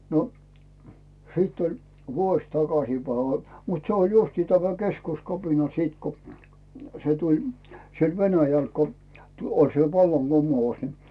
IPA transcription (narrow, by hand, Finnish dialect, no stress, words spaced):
no siːt olʲ ʋuosʲ tɑkɑsiˑpæi mut se olʲ justi tæmæ keskuskɑpinɑ siːt ko se tulʲ siel ʋenæjæl ko tu olʲ se ʋɑlːɑŋɡ̊umˑous ni